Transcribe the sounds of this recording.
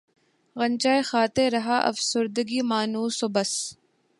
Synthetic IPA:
ɣɐnt͡ʃaːexaːt̪eɾɐɦaʔɐ̰fsʊɾd̪əɡimaːnuːsobɐs

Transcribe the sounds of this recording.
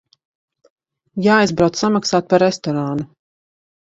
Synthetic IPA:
jaːajzbɾawt̪samaksaːt̪̚paɾest̪ɔɾaːnu

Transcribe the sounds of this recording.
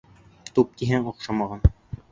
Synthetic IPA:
t̪up̚t̪iɦæŋoqʃɑmɑʁɑn

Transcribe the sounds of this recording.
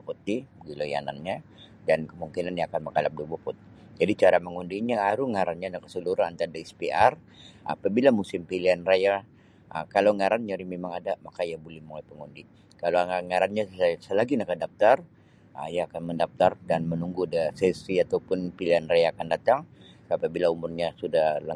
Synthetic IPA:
put̪ibəɡiloja̰na̰nɲa | dankəmuŋkinanjaːkanməŋkalap̚dubuput̪i | d͡ʒadit͡ʃaɾaməŋundiɲaaɾuŋaɾanɲanakasəluɾaant̪adeɛspear | ʔa̰pabilamusɪmpiliɦanraja | ə̰kalawŋaɾanɲaɾimemaŋadamakaiabolɛhmolajpəŋundi | kalaaŋaɾanɲasəlaɡinakadap̚t̪ar | əijaːkanməndap̚t̪ardanmənuŋɡudəsɛsiat̪awpʊnpiliɦanrajaːkandat̪aŋ | səapabilaumʊrɲasudahla

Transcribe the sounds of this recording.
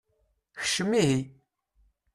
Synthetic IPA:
çə̥ʃəmːiɦi

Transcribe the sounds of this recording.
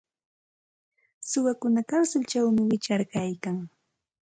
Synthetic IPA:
sʊwakʊnakaɾsʊlt͡ʃawmɪwɪt͡ʃaɾkajkaŋ

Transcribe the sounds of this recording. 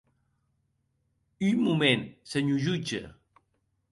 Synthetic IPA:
ymumensəɲuʒud͡ʒə̰

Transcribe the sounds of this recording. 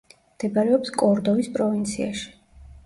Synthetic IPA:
md̪̥ɛbaɾɛɔpskʼɔɾd̪ɔvispʼɾɔvint̪sʰia̰ʃi̥

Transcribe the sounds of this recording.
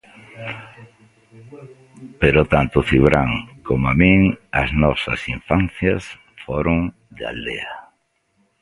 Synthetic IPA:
peɾʊt̪ant̪ʊθiβɾaŋkomamiŋɐ̰znɔsɐ̰siɱfan̟θjas | foɾʊŋ | d̪a̰ld̪ea

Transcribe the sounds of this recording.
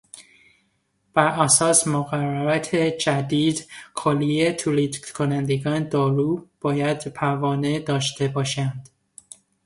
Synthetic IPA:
b̥æɾʔæsɒːsmoɣæræɾæt̪ʰed͡ʒæd̪iːd̪kʰoliet̪ʰulid̪kʰonænd̪eɡɒːned̪ɒːɾuːb̥ɒːjæd̪pʰævɒːned̪ɒːʃt̪ʰe̞bɒːʃænd̪̥

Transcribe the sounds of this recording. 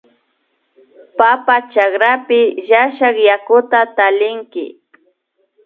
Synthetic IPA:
papat͡ʃakɾapɪjaʃɑχjakʊt̪at̪alɪŋkɪ̰

